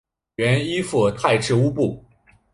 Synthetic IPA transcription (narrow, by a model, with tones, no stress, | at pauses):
ɛ˧˥ni˥fu˥˩t̪ʰa˥˧ɪʈ͡ʂʰɻ̩˥˩u˥pu˥˩